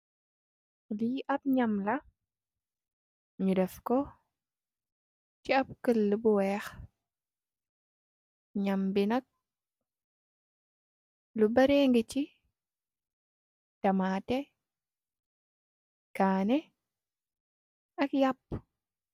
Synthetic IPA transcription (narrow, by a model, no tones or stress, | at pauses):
liʔɐb̚ɲamlɐ | ɲudɛfkɔ | t͡ʃiab̚kəlːəbuwɛːx | ɲambinɐk̚ | lubaɾeŋɡət͡ʃi | tamaːtɛ | kaːnɛ | ʔɐkjapː